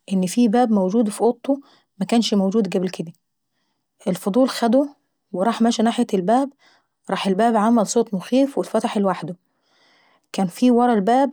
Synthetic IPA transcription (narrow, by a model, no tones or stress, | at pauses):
ʔenːfiːbæːbmæwd͡ʒuːd̪fiʔot̪ˤːo | mækæːnʃmowd͡ʒuːd̪ɡæblked̪æ | ʔelfod̪ˤuːlxæd̪o | weɾˤɑːħmæːʃænaːħjælbæːb | ɾˤɑːħelbæːbʕamælsˤoːt̪ˤmoxiːfwet̪fæt̪aħelwaħd̪o | kæːnfiːwɑɾˤɑlbæːb̚